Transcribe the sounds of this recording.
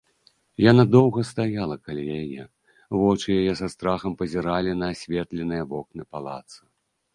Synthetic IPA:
janad̪ɔwɣɐst̪ajalˠɐkalʲijajɛ | vɔt͡ʂɨjajɛsast̪ɾaxɐmpɐzʲiɾalʲinɐːsʲvʲɛt̪lʲɛnɨjɐbɔknɨpalˠa̰t̪sɨ

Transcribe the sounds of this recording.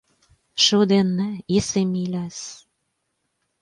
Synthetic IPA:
ʃod̪enːɘ̆esemilʲæs

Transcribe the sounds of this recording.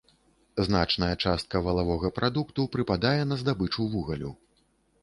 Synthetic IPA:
zna̰t͡ʂnɐjɐt͡ʂast̪̚kɐvɐlˠavɔɣɐpɾʔad̪ukt̪upɾɨpad̪ajɛnɐzd̪abɨt͡ʂuvuɣɐlʲṵ

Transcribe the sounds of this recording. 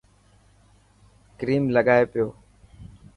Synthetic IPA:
kɾiːmləɠaːeːpɪjoː

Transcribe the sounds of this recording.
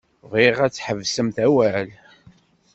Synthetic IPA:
ʁiʁæt͡sːħəvsəmθæwæl

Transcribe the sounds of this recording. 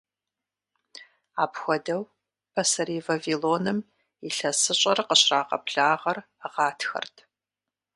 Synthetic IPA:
aːpxʷɔdɐw | pʰɐsɐɾiːvaviloːnɨm | iɬɐsɨɕʷʼɐrqəɕraːqɐ̰pɬaːʁɐr | ʁɑːtʰxɐ̰rtʰ

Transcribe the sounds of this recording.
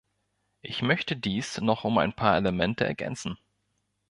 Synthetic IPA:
ʔɪçmœçtədiːsnɔχʊma̰ɪnpʰaːɐeləmɛntəʔɛ̰ɐɡɛ̰nt͡sn̩

